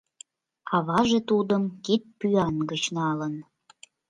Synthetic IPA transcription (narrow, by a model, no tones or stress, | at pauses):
ɑβɑʒet̪ud̪əmkit̪̚pyɑnɡət͡ɕnɑlən